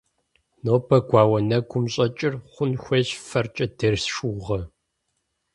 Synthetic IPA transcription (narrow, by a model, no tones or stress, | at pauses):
noːbʰɐɡʷɑːwɐnɐɡʷʊmɕʼɐt͡ʃʼɪrχʷʊnxʷɐɕfɐrt͡ʃʼɐdɐrsʃuʁɐ